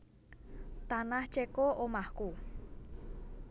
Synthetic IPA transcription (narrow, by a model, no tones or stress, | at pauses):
t̪anaht͡ʃekoʔomahku